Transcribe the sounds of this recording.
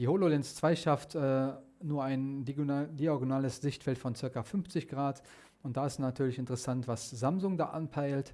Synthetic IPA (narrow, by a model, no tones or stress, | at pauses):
d̥iːhololɛnst͡sv̥aɪʃaftʰʔɛː | nuːɐaɪndioɡnaːləsz̥ɪçtfɛltfɔnt͡sɪɐkafʏnft͡sɪçɡ̥ʁaːt | ʊnt̚d̥aːɪstnatʰyːɐlɪçɪntəʁɛsantv̥aszamzʊŋda̰ːʔanpʰaɪlt